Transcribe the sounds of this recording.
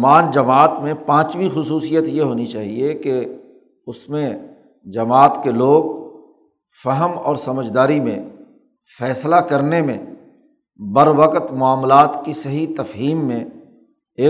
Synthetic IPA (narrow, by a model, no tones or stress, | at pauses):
aːnd͡ʒɐmaːt̪mẽpãːt͡ʃʋixʊsuːsijət̪jeɦoːnit͡ʃaːɦieke | ʊsmẽ | d͡ʒɐmaːt̪keloːɡ | fəɦəmɔːɾsɐməd͡ʒʱd̪aːɾimḛ̃ | fɛːslakɐɾnemẽ | bɐɾʋəqət̪mʊaːmlaːt̪kisɐɦit̪ɐfɦiːmːẽ | eː